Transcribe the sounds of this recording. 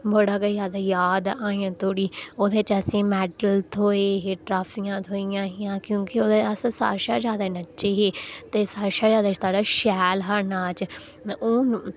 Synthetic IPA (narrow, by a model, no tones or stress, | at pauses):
bəɽaːɡəjaːd̪aːjaːd̪aːĩãːt̪oːɽiːoːd̪eːt͡ʃəsĩːmɛːʈəlt̪ʰoːeːɦeːʈɾaːfʰiːãːt̪ʰoːijãːɦɪjãːkjõːkɪoːd̪eːəssa̰ːʃaːd͡ʒjaːd̪aːnətːʃeːɦeːt̪eːsaːʃaːd͡ʒjaːd̪aːt͡ʃt̪aːɖaːʃɛːlɦəɾnaːt͡ʃ | oːn